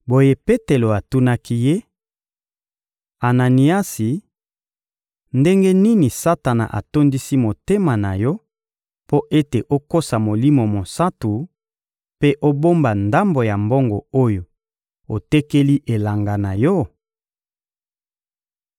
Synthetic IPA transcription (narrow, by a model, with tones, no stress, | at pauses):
bo˨je˦pe˦te˨lo˨a˨tu˦na˦ki˦je˦ | a˨na˨ni˨a˦si˨ | nde˦ŋɡe˦ni˦ni˨sa˦ta˨na̰˨ʔa̰˨to˦ndi˦si˦mo˨te˦ma˨na˨jɔ˦ | po˦ʔe˦te˨ʔo˦ko˦sa˨mo˨li˦mo˨mo˨sa˦tu˨ | pe˦ʔo˦bo˦mba˨nda˦mbo˨ja˨mbo˦ŋɡo˨o˦jo˨ | o˨te˦ke˦li˦ʔe˨la˨ŋɡa˨na˨jɔ˦